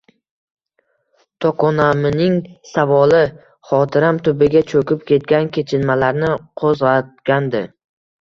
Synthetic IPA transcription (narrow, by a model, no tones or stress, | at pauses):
t̪ʰɒqɒnamɪnɪŋsavɒlɪ | χɒt̪ʰɪɾamt̪ʰʊbɪɡʲat͡ʃʰɵkʲɪp̚kʲe̞t̪̚ɡʲankʲʰe̞t͡ʃʰɪnmalaɾnɪqʰozʁat̪̚ɡʲand̪ɪ